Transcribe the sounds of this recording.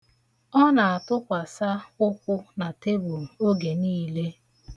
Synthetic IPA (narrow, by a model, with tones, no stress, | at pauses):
ɔ˦na˨a˨tʊ˦kʷa˨sa˦ʊ˦kʷʊ˦na˨te˦bu˨m̩˨o˦ɡe˨niː˦le˦